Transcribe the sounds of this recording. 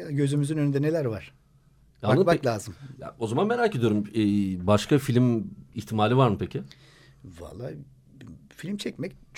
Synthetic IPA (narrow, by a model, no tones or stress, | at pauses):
ɟø̞zymyzynønynd̪ɛnelʲæɾvaɾ̥ | aɯmaklʲˠaːzɯmja̰o̞zamanme̞ɾaːcʰed̪ijo̞ɾumɛːbaʃkʰafilʲmiçt̪ʰimaːlʲivaɾmɯpʰecʰɪ | va̰lˠːa | filʲmt͡ʃʰɛcmɛc̚t͡ʃ